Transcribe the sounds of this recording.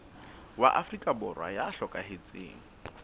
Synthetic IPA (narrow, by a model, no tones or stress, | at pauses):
wa̰ʔafrikʼabʊrwa̰jaɬɔkʼaɦet͡sʼḛːŋ̩